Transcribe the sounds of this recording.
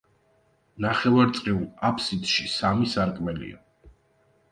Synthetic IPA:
naχɛvaɾt̪sʼqʼiulˠapʰsid̪ʃisamisaɾkʼmɛlḭa̰

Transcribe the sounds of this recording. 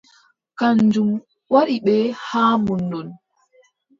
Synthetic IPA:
kaɲd͡ʒum | waɗiɓɛhaːmunːdɔn

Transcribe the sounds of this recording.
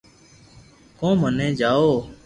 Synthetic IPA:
kõːmənẽːd͡ʒaːoː

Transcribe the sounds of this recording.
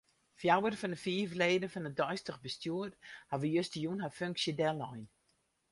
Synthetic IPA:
fjawərfɔnəfiəvleːdəfɔnədɔjstəxbəstjuərthaʋəjøstəjunɦaføŋksjədɛlɔjn

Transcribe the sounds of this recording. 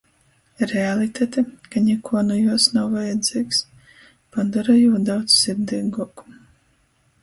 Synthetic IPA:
ɾɛalˠit̪ʲat̪ɛkanʲɛkuɔnujuɔsnawvajad̪z̥ʲiːks | pad̪aɾajuːd̪awt̪ssiɾd̪ɛːɡuku̥

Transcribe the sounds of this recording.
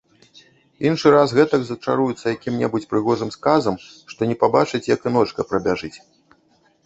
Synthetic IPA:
inʂɨɾasɣɛt̪ɐɡzɐt͡ʂa̰ɾujut̪sːɐjakʲimnʲɛ̰but͡sʲpɾɨɣɔʐɨmskazɐmʂt̪ɔnʲɛpabat͡ʂɨt͡sʲjɐkɨnɔt͡ʂkɐpɾɐbʲaʐɨt͡sʲ

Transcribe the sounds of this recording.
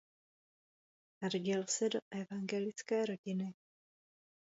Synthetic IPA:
aɾɟɪlsɛdo̞ʔɛvaŋɡɛlɪt͡skɛːɾo̞ɟɪnɪ

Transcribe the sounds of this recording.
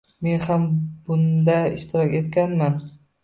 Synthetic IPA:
me̞nhambʊnd̪aɪ̰ʃt̪ʰɪɾɒkʲe̞t̪kʲanman

